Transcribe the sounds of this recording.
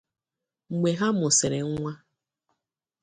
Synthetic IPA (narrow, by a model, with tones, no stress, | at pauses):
ŋ͡m̩˨ɡ͡be˨ɦa˦mʊ˨se˨ɾe˨ŋ̩˦ŋʷa˦